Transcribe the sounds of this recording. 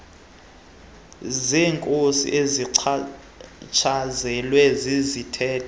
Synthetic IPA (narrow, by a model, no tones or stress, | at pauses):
ziːŋkʼosḭʔezi | t͡ʃʰazɛlwɛzizitʰɛːtʰɔ